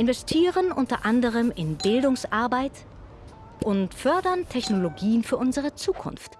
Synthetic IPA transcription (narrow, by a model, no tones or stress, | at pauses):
ʔɪnvɛstʰiːʁənʔʊntɐʔandəʁ̞əmɪnbɪldʊŋsʔaɐbaɪt | ʔʊntfœɐdɐntʰɛçnoloɡiːənfyːɐʔʊnzəʁ̞ət͡suːkʰʊ̰nft